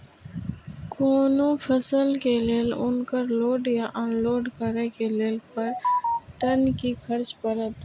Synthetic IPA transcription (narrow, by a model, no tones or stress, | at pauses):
koːnõfʰəsəlkeleːlʊnkəɾloːɖjaʔaːnloːɖkəɾekeleːlpəɾʈənkikʰəɾt͡ʃpəɾət̪